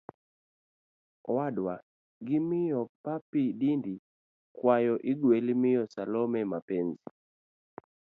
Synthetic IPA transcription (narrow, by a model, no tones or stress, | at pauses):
wadwa | ɡɪmɪjɔpapidindi | kwajɔʔɪɡwelimɪjɔsalɔmɛmapɛnzi